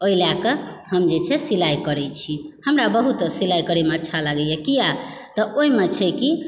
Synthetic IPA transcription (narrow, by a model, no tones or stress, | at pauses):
oilakəɦəmd͡ʒet͡ʃʰɛsilajkəɾɛt͡ʃʰihəmɾabəɦut̪silajkəɾemeətːʃʰalaɡɛjekija | t̪ɔʔoimet͡ʃʰɛki